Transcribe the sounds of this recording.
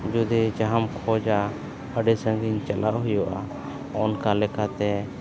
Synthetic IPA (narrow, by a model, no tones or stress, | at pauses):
d͡ʒʊd̪ɛd͡ʒaɦamkʰɔd͡ʒa | əɖɛsə̃ŋɡiɲt͡ʃalʔaʔɦʊjɔʔa | ɔnkalɛkat̪ɛ